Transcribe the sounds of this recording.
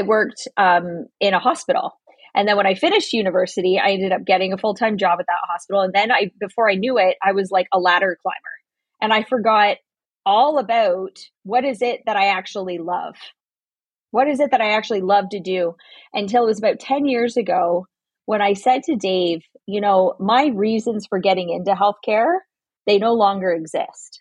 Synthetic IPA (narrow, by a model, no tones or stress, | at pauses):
aɪwɜ˞k̚tʔʌ̃mɪ̃ñəhɑspɪɾl̩ˠ | ʔɨ̃nðɨ̃nwə̃ñaɪfɪ̃nɨʃt̚jʉnɨvɜ˞sɨɾia̰ɪɛ̃ndɨɾʌp̚ɡ̥ɛɾɪ̃ŋəfʊlˠtʰãɪ̃md͡ʒɑbɨt̪̚ðə̰t̚hɑspɪɾl̩ˠə̃nðɨ̃naɪbɨfɔɹaɪnjʉɪt̚aɪwʌzlaɪkəlæɾə˞kʰl̥ã̰ɪ̃mə̰˞ | ʔɨ̃naɪfə˞ɡɑt̚ | ɔlˠəbaʊt̚ | wʌɾɨzɪt̪̚ðɨɾaɪæk̚t͡ʃul̩ˠilʌ̰v̥ | wʌɾɨzɨt̪̚ðɨɾaɪæk̚t͡ʃʉl̩ˠilʌvtɨdʉʔɨ̃ntɪlˠət̚wʌzəbaʊtʰɛ̃njɪɹzɨɡoʊ | wə̃ñaɪsɛd̚tʰɨdeɪv̥ | jɨnoʊmaɪɹizɨ̃nz̥fə˞ɡɛɾɪ̃ŋɪ̃ntʉɦɛlˠθkʰɛɹ | ðeɪnoʊlɔ̃ŋɡə˞ɨɡzɪ̰st̚